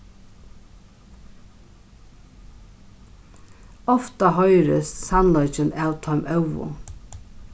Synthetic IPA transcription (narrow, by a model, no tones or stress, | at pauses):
ɔft̪ɑhœʏɾəssɑnlɔʏt͡ʃənæːwt̪ʰœʏmʔœʉʋʊ̰